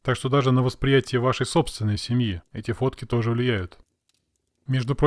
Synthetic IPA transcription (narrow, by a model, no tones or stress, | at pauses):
t̪akʂt̪o̞d̪aʐɨnəvəspɾʲɪjætʲɪjəvaʂəjso̞pst̪vʲɪnːəjsʲɪmʲjiɛtʲɪfo̞t̪kʲɪt̪o̞ʐɨvlʲɪjæjʊt̪ | mʲeʐd̪ʊpɾo